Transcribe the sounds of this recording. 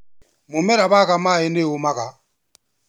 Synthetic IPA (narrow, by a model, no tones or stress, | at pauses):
mʊmɛɾaβakamaːɛneumaka